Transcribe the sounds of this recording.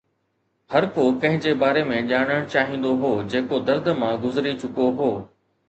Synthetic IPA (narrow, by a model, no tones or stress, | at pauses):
hɐɾkokɐ̃ɦɪ̃d͡ʑeːbaːɾemẽʄaːɽ̃əɽ̃t͡ɕaːɦĩːn̆d̪oɦoːd͡ʑeːkod̪ɐɾd̪ʱmãɡʊzɪɾit͡ɕʊkoɦoː